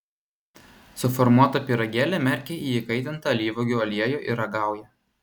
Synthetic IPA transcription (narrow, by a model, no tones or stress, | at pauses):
sʊfɔɾmuɔt̪ɐpʲiɾɐɡʲæːlʲɛmʲɛɾʲkʲeʔiːjɪkɐɪt̪ʲɪnt̪ɐɐlʲiːʋoɡʲuːɐlʲiɛjuːʔɪɾɐɡɑˑʊjɛ